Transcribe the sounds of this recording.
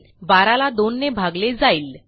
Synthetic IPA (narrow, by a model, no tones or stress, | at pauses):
baɾalad̪onːebʱaɡled͡zaiːl